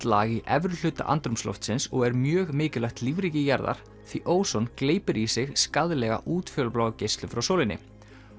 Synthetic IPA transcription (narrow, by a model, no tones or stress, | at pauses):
t̪laːɣiʔɛvɾʏlʏːt̪a̰ʔa̰nt̪ɾʏmslɔ̰ft̪sɪnsɔɣɛɾmjœːɣmɪːcɪlaxt̪livɾiːcɪjaɾða̰ɾ̥ | θviʔoːwsɔnkleːjpɪɾisɪɣskaðlɛɣa̰ʔuːt̪fœːlplaːwcejst̪lʏmfɾawsoːwlɪnːɪ̰